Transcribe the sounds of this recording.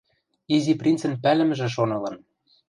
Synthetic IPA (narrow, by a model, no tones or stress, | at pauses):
iziprʲint͡sɘ̆npælɘ̆m̆ʒĕʃ̬onɤ̆lɤ̆n